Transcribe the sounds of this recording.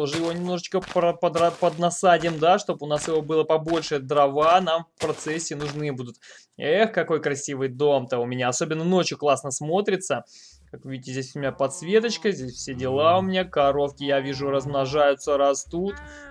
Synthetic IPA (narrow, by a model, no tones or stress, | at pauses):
t̪oʐɨjɪvo̞nʲɪmno̞ʐɨt͡ɕkəpɾəpəd̪ɾɐpəd̪nɐsadʲɪjəmd̪aʂt̪o̞bʊnasjɪvo̞bɨlˠəpɐbo̞lʲʂɨjəd̪ɾɐvanamfpɾɐt̪sɛsʲːɪnʊʐnɨjbud̪ʊt̪ | exkɐko̞jkɾɐsʲivɨjd̪o̞mt̪əʊmʲɪnʲaɐso̞bʲɪnːəno̞t͡ɕjʊklˠasnəsmo̞t̪ɾʲɪt̪sə | kakvʲidʲɪtʲɪzʲdʲesʲʊmʲɪnʲapɐt̪svʲe̞t̪̬ət͡ɕkəzʲdʲesʲfsʲedʲɪlˠaʊmʲɪnʲakɐɾo̞fkʲɪjavʲiʐʊɾəzmnɐʐajʊt̪səɾɐst̪ut̪